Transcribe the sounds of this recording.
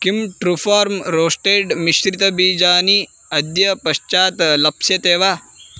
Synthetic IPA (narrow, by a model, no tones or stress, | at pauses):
kimʈɾufaːɾmɾoːsʈeːɖmiʃɾit̪ɐbiːd͡ʒaːni | ɐd̪jɐpɐʃt͡ʃaːt̪lɐpsjɐt̪eːʋaː